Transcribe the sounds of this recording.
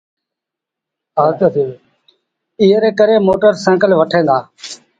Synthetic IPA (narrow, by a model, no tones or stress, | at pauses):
aːk̪ːi | ɪːɾeːkəɾeːmoːʈəɾsə̃ːkəlːʋəʈʰẽːnd̪aː